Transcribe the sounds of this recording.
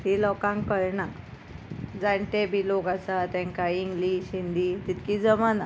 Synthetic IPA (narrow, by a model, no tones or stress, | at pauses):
t̪ilɔkãŋkəɾɳa | d͡zaɳʈ̪ebʱilokasat̪ɛ̃ŋkaiŋɡliːɕind̪it̪it̪kid͡zəmana